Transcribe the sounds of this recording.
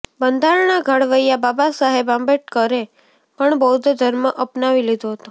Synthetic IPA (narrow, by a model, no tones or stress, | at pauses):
bənd̪ʱaɾnaɡʱəɽʋəjababasaɦebãmbeʈ̚kəɾe | pəɳbəɦud̪ʱd͡ʒ̪ʱəɾməʔəpnaʋilid̪oɦət̪o